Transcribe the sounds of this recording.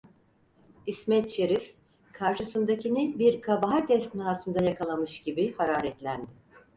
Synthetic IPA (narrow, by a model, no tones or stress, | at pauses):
ismɛt̪ʃe̞ɾif | kʰaɾʃɯsɯnd̪acinɪbiɾkʰabaɦacʲʰɛst̪nat̪ɯnd̪ajakʰalˠamɯʃɟibihaɾaːɾɛt̪lʲænd̪ɪ